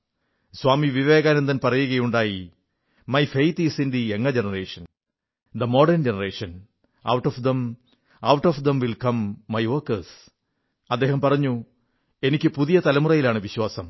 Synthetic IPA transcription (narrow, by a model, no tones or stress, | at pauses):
swaːmiʋiʋe̞ːɡaːnend̪ɐnpɐrɐjuɣɐjuɳɖaːji | mɐjfejt̪isindieŋːɐd͡ʑenɐreːʂɐn | d̪ɐmo̞ːɖɐrnd͡ʑenɐreːʂɐn | ɐ̰wʈːoːfd̪em | ɐwʈoːfd̪emʋilkɐmːɐjʋorkɐs | ɐd̪ːeːhɐmpɐrɐɲːu | e̞nikʲːɨpuðijɐt̪ɐlɐmurɐjilaːɳɨʋiɕwaːsɐm